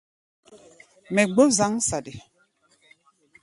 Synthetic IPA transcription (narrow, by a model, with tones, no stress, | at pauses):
mɛ˨ɡ͡bo˦za˦ŋsa˨di˨